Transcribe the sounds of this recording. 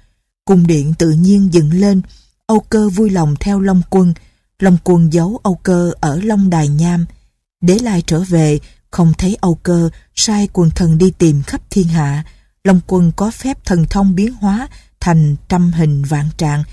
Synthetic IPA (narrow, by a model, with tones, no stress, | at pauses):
kʊ˨˩ŋ͡mɗḭ˧˨ənt̪ɨ̰˧˨ɲi˧ənzɨ̰˧˨nle˧n | ʔə˧wkəː˧vu˧jlə˨˩wŋ͡mt̪ʰɛ˧wlə˧wŋ͡mkwə˧n | lə˨˩wŋ͡mkwə˧˩nzə˨˦wʔə˧wkəː˧ʔəː˧˩lə˧wŋ͡mɗaː˨˩jɲaː˧m | ɗe˨˩˦la̰ː˧˨jt͡ɕəː˧˩vḛ˧˨ | xə˧wŋ͡mt̪ʰeə˨˦jʔə˧wkəː˧saː˧jkwə˨˩nt̪ʰə˨˩nɗi˧t̪i˨˩mxə˦˥p̚t̪ʰi˧ənɦa̰ː˧˨ | lə˧wŋ͡mkwə˧nkɔ˨˦fɛ˦˥p̚t̪ʰə˨˩nt̪ʰə˧wŋ͡mɓi˨˦ənɦwaː˨˦ | t̪ʰa˨˩jŋ̟t͡ɕa˧mɦï˨˩ŋ̟va̰ː˧˨nt͡ɕa̰ː˧˨ŋ